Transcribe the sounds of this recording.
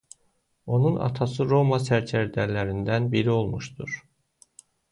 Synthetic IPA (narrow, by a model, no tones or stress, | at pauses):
o̞nunɑ̰t̪ʰɑsɯɾo̞mɑsæɾt͡ʃʰæɾd̪ælæɾind̪ænbiɾio̞lˠmuʃd̪uɾ̥